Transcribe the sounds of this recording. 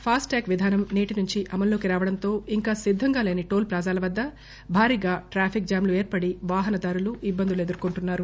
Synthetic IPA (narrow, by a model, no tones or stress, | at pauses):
pʰaːsʈaːkʋid̪ʱaːnɐmneːʈinuɲt͡ʃiʔɐmɐlloːkiɾaːʋɐɽɐnt̪o̞ːiŋkaːsid̪ʱːɐŋɡaːle̞ːniʈo̞ːlpɾaːd͡ʒaːlɐʋɐd̪ːɐ | bʱaːɾiːɡaːʈɾaːpʰik̚d͡ʒaːmlue̞ːɾpɐɽiʋaːɦɐnɐd̪aːɾuluʔibːɐnd̪ule̞d̪uɾkuɳʈunːaːɾu